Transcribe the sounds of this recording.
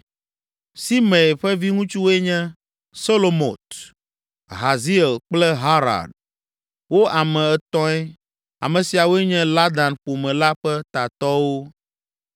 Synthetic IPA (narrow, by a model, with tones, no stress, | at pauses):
si˦mɛ̃˨ɸɛ˦vi˦ŋũ˦t͡ʃu˦wɛ˦ɲɛ̃˦ | so˦lo˨mo˨t̪ | ɦa˨zi˦ɛ˨lk͡plɛ˦ɦa˦ɾa̰˨ɖ | wo˦a˨mɛ̃˨ɛ˨t̪ɔ̃˦ɛ˦ | a̰˨mɛ̃˨si˨a˨wo˦e˦ɲɛ̃˦la˦d̪a˨npo˨mɛ̃˨la˦ɸɛ˦t̪a˨t̪ɔ˦wo˦